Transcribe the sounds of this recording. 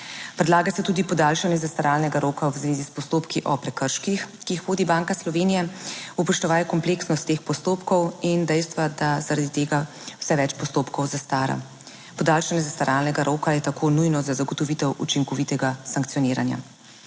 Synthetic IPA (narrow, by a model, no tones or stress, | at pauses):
pɾɛd̪laːɡasɛt̪uːd̪ipɔd̪aːlʃanjɛzast̪aɾaːlnɛɡaɾoːkawzʋeːzispɔst̪oːpkiʔɔpɾɛkəɾʃkixkiːxʋoːd̪ibaŋkaslɔʋeːnijɛupɔʃt̪ɔʋaːjɛkɔmpleːksnɔst̪ːeːxpɔst̪oːpkɔwind̪ɛjst̪ʋad̪azaɾad̪it̪eːɡa | w̥sɛʋɛt͡ʃpɔst̪oːpkɔwzast̪aːɾa̰ | pɔd̪aːlʃanjɛzast̪aɾaːlnɛɡaɾʔoːkajɛt̪akʰoːnujnɔzazaɡɔt̪ɔʋit̪ɛwʔṵt͡ʃiŋkɔʋit̪ɛɡasaŋk̚t̪sijɔniːɾa̰nja̰